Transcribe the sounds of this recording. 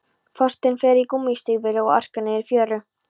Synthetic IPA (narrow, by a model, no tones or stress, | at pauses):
fɔst̪ɪnfɛːɾikumːist̪ɪvɪlɪɔa̰r̥kanɪɪɾfjœːrʏ